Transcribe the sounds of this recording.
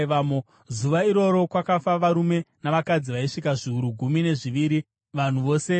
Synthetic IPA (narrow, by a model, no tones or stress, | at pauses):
ʋamo | zuʋaiɾo̞ɾo̞kwakafaʋaɾume̞naʋakad͡ziʋaiʂikaʐiuɾuɡʱumine̞ʐiʋiːɾi | ʋan̤uʋo̞ːse̞